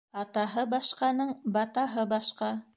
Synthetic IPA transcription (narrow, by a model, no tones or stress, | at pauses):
ɑt̪ɑɦɤbɑʃqɑnɤɴbɑt̪ɑɦɤbɑʃqɑ